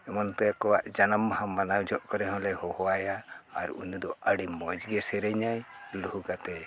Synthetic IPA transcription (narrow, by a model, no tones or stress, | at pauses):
ɛmɔnt̪ɛkɔwaʔd͡ʒanamhamːanawd͡ʒɔʔkɔɾɛɦɔ̃lɛhɔhɔwajaːɾṵnud̪ɔəɽimːɔd͡ʒɡɛsɛɾɛɲajluhuɡat̪ɛ